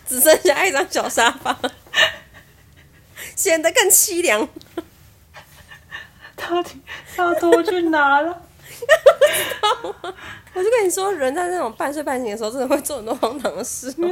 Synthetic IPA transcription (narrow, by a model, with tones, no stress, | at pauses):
t͡sɹ̩˨˩ʂə˥ni˨˩ɕja˥˩ʈ͡ʂɑ˥ŋɕjɑ˨˩ʊʂa˥fa˨˩˦ | ɕjɛ˨˩nd̪ə˦kə˥˩ŋt͡ɕʰi˥ljɑ˧˥ŋ | t̪ʰɑ˥˩ʊt̪ʰi˨˦sa˥˩o˥t͡ɕy˥˩na˨˥˦lə˧ | t̪ɑ˥˨ | wɔ˨˩t͡ɕkə˥˦ni˨˩ʂwɔ˥ɻə˧˦nt͡sa˥˧ɪna˥˩ʈ͡ʂo˨˩ŋpa˥˧nswɪpa˥˩nɕi˧˥ŋdə˩˧˥d̪ə˧we˥˧ɪt͡sɔ˥˩˧ə˨˩˨t̪wwɑ˥ŋt̪ʰɑ˨˧˩ŋə˧ʂ̩˥